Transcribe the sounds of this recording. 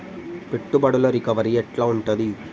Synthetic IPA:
pɛʈːɯbɐɽɐlɐɾikɐʋɐɾijeʈlãːʊɳʈɐði

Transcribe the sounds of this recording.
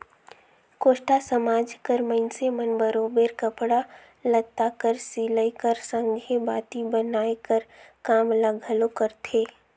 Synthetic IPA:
koːʃʈasəmaːd͡ʒkəɾməɪnsemənbəɾoːbeɾkəpɽa | lət̪ːakəɾsiːləjkəɾsə̃ŋɡʱebaːt̪ibənaːekəɾkaːmləɡʱəlokəɾt̪ʰeː

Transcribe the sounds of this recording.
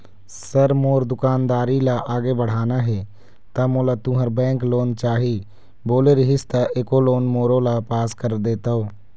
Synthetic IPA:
səɾmoːɾd̪ʊkaːnd̪aːɾilaʔaːɡebəɽ̤aːnaɦɛ | t̪amolat̪ʊɦəɾbɛ̃ːŋkloːnt͡ʃaːɦi | boːleɾiɦɪst̪aʔekoloːnmoːɾõlapaːskəɾd̪eːt̪aoː

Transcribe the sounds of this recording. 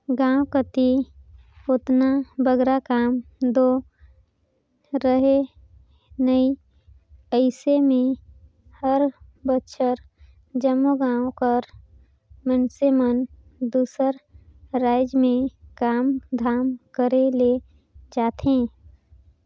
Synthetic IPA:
ɡãːwkət̪i | ʊt̪nabəɡɾakaːmd̪o | ɾəɦe | nəi | əɪsemẽ | həɾbətːʃəɾ | d͡ʒəmːuɡãːõkəɾ | mənsemən | d̪uːsəɾɾaːɪd͡ʒmẽkaːmd̪ʱaːmkəɾele | d͡ʒaːt̪ʰẽː

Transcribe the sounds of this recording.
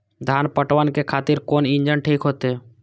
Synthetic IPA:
d̪ʱaːnpəʈʋənkekʰaːt̪ɪɾkoːnɪ̃ɲd͡ʒənʈʰiːkɦoːt̪e

